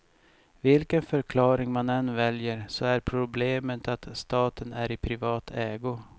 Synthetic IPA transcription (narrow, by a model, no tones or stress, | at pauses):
vɪlkənfœɾkʰlɑːɾɪŋmanɛnvɛljəɾsɔæɾpʰɾʊbleːmət̪ʰat̪st̪ɑːt̪ənæɾɪpʰɾɪvɑːt̪ʰɛːɡʊ